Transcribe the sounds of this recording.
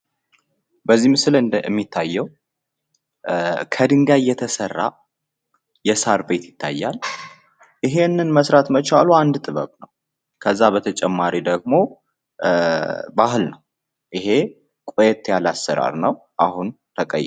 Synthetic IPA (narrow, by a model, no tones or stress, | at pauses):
bəzːimɨslɨɨmːit̪ʰːajːɛw | kʰəd̪ɨŋɡajːɛt̪ʰəsərːa̰ | jɛsaɾbe̞t̪jɪt̪ʰːa̰jːal | ʔiɦe̞nːɨnməsɾat̪mət͡ʃaluand̪t̪ʼɨβə̰knəw | kʰəzːabət̪ʰət͡ʃʼɛmːaɾid̪əɡ̚mo̞ | baɦɨlnəw | ʔɪɦe̞ | kʼojɛt̪ʰjalasːəɾa̰ɾnəw | ʔahun | t̪ʰəkʼə̰j